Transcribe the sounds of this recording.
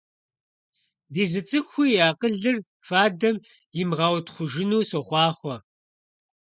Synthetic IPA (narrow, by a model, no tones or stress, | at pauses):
biːzɨt͡sʼɨxʷʊjjaːqəɮɨr | faːdɐm | jɪmʁɑːwtʰχʷʊʒɪnuːsoχʷɑːχʷɔ